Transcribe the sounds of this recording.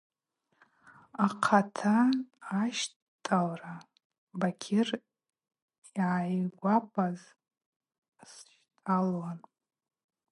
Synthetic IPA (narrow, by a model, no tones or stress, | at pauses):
aqʰatʰaː | ʃ | tʼalra | bakʲʰɪr | iʕajɡʷapʼaz | sʃtʼalwan